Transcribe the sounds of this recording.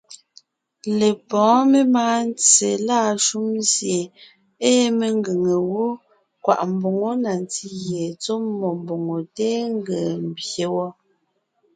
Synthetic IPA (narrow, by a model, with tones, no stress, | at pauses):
le˨pɔ̃ː˨˦me˦maː˦n˦t͡sḛ˨la˦˨ʃu˦mzje˨ | e˦me˦˨ŋ˦ɡe˨ŋe˨wo˦ | kwa̰˨ʔm̩˨bo˨ŋo˦na˨n˨ti˦ɣje˨t͡so˦mːɔ˨m˨bo˨ŋo˨teː˦ŋ˦ɡe˨m̩˦˨bje˨˦wɔ˦